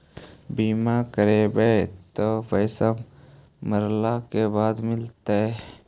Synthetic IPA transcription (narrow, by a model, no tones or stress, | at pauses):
biːmakəɾebet̪obəjsəm | məɾlakebaːd̪mɪlt̪aɛ